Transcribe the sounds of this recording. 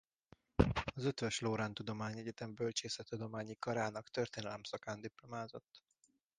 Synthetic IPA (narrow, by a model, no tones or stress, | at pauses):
ɒzø̞t̪ʋɛʃloːɾaːnt̪ud̪o̞maːɲɛɟɛt̪ɛmbølt͡ʃeːsɛt̪ːud̪o̞maːɲikɒɾaːnɒkt̪ø̞rt̪eːnɛlɛmsɒkaːnd̪iplo̞maːzo̞t̪ː